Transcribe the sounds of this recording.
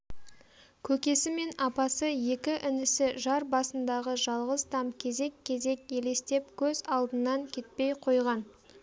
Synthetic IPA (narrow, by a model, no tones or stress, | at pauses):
kʲʰɵkʲe̞sɪme̞nɑpɑsəje̞kʲɪʔɪnɪsɪʒɑɾbɑsənd̪ɑʁəʒɑlˠʁəzt̪ʰɑmkʲʰe̞ze̞kʲʰːe̞ze̞kʲe̞le̞st̪e̞p̚kʲʰɵzɑlˠd̪ənːɑŋkʲʰe̞t̪̚pe̞jqʰo̞jʁɑn